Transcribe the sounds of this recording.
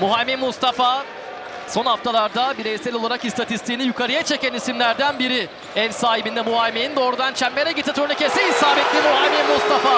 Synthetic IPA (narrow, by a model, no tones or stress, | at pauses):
muɦamemust̪ʰafa | so̞nhaft̪ʰalˠaɾd̪abiɾejsɛlʲo̞lˠaɾakist̪ʰat̪ist̪ʰijːnijukʰaɾɯjat͡ʃʰe̞cænisimlʲæɾd̪ænbiɾi | ɛvsaːɦibind̪ɛmuɦalʲmenind̪o̞ːɾud̪ant͡ʃʰɛmːeɾɛɟit̪ʰːat̪ʰøɾinicesɛisaːbɛt̪ːimuɦamemust̪afa